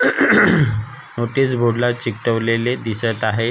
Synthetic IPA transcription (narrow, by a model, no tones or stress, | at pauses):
noʈiːsbʱoɽlat͡ɕikʈəʋleled̪isət̪aɦe